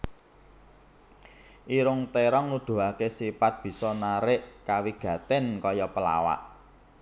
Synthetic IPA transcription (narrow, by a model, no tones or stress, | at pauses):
ʔiɾʊŋt̪eɾɔŋnud̪̥ṳakesipat̪̚b̥i̤sɔnaɾɪʔkawiɡ̥ä̤t̪ɪnkɔjɔpəla̰wa̰ʔ